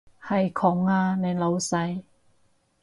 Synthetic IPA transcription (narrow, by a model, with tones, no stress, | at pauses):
hɐ˨˩jkʰɔ˨˥ŋaː˧ne˨˧lo˨˧wsa˧j